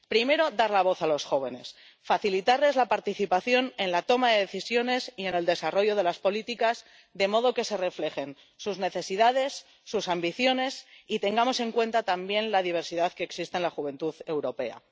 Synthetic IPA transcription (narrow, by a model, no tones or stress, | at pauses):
pɾime̞ɾo̞ðaɾlaβ̞o̞θalo̞sxo̞β̞e̞ne̞̰s | faθilit̪aɾle̞zlapaɾt̪iθipaθjo̞ne̞nlat̪o̞maðe̞ðeθisjo̞ne̞sie̞ne̞ld̪e̞saro̞ʝo̞ð̞e̞laspo̞lit̪ikaz | ðe̞mo̞ð̞o̞ke̞se̞re̞fle̞xe̞n | suzne̞θe̞siðað̞e̞sː | usambiθjo̞ne̞sit̪e̞ŋɡamo̞se̞ŋkwe̞nt̪at̪ambje̞nlaðiβ̞e̞ɾsiðaðkeːksist̪enlaxuβ̞ẽ̞nt̪uðe̞wɾo̞pe̞a̰